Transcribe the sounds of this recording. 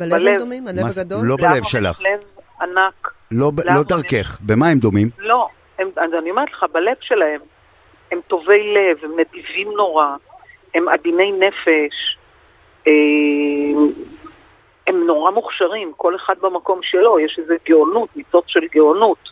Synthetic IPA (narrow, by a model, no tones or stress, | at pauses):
balevmalobalevʃela̰χlevanaklobllod̪aʁkeχbemaemd̪o̞mimlo̞ | emaanio̞meʁət̪leχabale̞vʃelahe̞m | e̞mt̪o̞ve̞jle̞vemned̪ivimno̞ʁa | ema̰d̪ine̞jne̞fe̞ʃ | e | emno̞ʁamuχʃaʁimko̞leχad̪̚bamako̞mʃelo̞jeʃezeɡeonut̪mit͡so̞t͡sʃe̞lɡeonut̪